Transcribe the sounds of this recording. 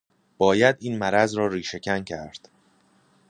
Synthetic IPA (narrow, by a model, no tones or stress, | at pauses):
b̥ɒːjæd̪iːnmæɾæzɾɒːɾiːʃe̞cʰæŋcʰæɾd̪̥